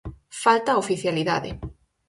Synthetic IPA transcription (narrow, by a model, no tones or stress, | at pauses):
falt̪aofiθjaliða̰ðɪ̰